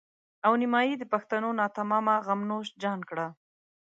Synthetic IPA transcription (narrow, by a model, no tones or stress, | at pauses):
awnɪmɑjid̪əpaxt̪anonɑt̪amɑmaɣamnoʃd͡ʒɑnkɽa